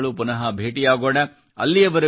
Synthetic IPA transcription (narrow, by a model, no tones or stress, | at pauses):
ɭupunɐɦɐbʱeːʈijaːɡoːɽɐ | ɐ̰lːiɐʋɐɾɐ